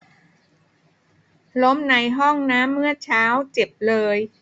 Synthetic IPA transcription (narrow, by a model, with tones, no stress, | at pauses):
lo˦˥mna˧jɦɔ˥˩ŋnaː˦˥mːɯ˥˩ət͡ɕʰaː˦˥wt͡ɕe˨˩p̚lɤː˧j